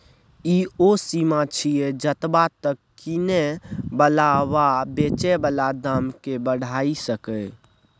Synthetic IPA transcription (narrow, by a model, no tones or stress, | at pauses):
iosimat͡ʃʰied͡ʒət̪bat̪əkːinebəlawabet͡ʃɛbəlad̪amkebəɽ̤aisəkə